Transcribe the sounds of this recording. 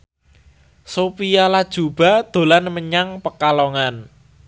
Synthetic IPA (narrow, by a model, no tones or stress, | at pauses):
sopijalad̥ʒ̥ṳb̥a̤d̪̥o̤lanməɲaŋpəkalɔŋan